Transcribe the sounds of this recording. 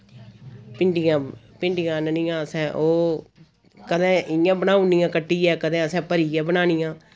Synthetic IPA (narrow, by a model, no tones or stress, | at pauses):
pɪɳɖɪjãː | pɪɳɖɪjãːnənɪjãːəsɛ̃ːʔoː | kəd̪ɛ̃ːɪjãːbənaːũnijãːkəʈːiːɛːkəd̪ɛ̃ːəsɛ̃ːpəɾiːãːbənaːnɪjãː